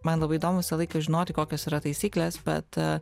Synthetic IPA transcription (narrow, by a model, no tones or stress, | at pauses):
mɐnlˠɐbɐɪd̪oːmʊʋʲɪsɐlˠɐɪkɐʒʲɪnoːt̪ʲɪkoːkʲoːsiːɾɐt̪ɐɪsʲiːklʲesbʲɛ̰t̪